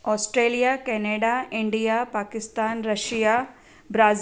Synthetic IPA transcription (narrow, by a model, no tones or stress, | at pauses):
ɔːsʈɾeːlijaːkɛneːɖaːɪɳɖijaːpaːkɪst̪aːnɾɐʃija | bɾaːz